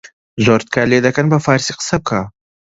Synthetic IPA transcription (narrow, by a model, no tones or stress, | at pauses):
zoɾt̪̚kʰaled̪ɐkɐnbɐfaɾsiqsɐp̚kʰa